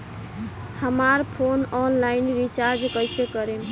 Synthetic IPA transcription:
həmaɾpʰonɔnlainɾit͡ʃaɾd͡ʒkəjsekəɾem

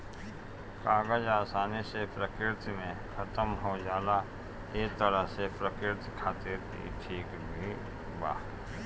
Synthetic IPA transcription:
kaːɡəd͡ʒaːsaːnisepɾəkɪɾt̪mẽkʰɐt̪əmɦod͡ʒaːla | eːk̚t̪əɾəɦsepɾəkɪɾt̪kʰaːt̪ɪɾt̪ʰḭʈʰiːk | bʱi | ba̰ː

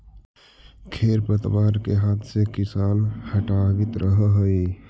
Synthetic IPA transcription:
kʰeːɾpət̪ʋaːɾkeɦaːt̪ʰsekɪsaːnhəʈabɪt̪ɾʔəɦəɦəi

